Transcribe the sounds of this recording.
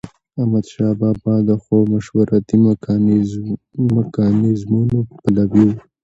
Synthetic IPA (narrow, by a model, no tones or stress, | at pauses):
amad̪ʃɑbɑbɑd̪əxowmaʃwaɾʔat̪i | mɪkɑnɪzmunopalawiw